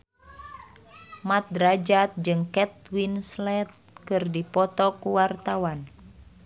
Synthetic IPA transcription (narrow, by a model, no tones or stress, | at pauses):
mat̪̚rad͡ʒat̪̚d͡ʒɨŋkɛt̪̚winslɛt̪̚ | kɨrdipɔt̪ɔkuwart̪awan